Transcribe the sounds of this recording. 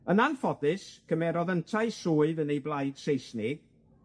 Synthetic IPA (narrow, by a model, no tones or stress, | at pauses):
ənanfɔdɨskʰəmɛɾɔðəntʰaɨsoːɨðənejblˠajd̥sejsnɪɡ̥̚